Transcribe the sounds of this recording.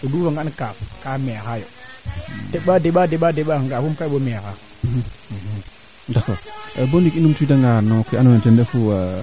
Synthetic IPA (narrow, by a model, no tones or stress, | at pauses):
odufaŋɡankafkamexajo̰ | teɓadeɓadeɓadeɓaŋɡafumkaɓomeka | dakobondikinumtuidaŋɡanokianwentendefu